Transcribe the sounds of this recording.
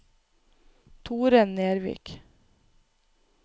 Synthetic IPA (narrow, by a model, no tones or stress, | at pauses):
t̪ʰuːɾənneːɾʋḭːk